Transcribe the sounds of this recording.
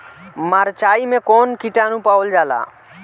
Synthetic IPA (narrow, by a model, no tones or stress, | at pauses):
maɾt͡ʃaːimẽkonkiʈanũpaːəld͡ʒaːla̰ː